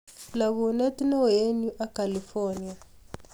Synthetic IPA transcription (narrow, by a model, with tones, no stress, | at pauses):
la˨βɔ˨na˦ti˦nɔ˦je˦nu˦ʔa˦ka˨li˨fɔ˦ni˦a˨